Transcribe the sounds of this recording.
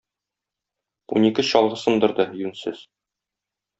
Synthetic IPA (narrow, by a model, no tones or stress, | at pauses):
ṵnikɘɕɒlˠʁɤsɤ̆nd̪ɤ̆ɾd̪ɤjʉnsɘz̥